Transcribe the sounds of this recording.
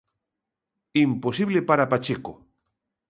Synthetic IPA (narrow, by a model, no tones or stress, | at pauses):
imposiβlepaɾapat͡ʃeko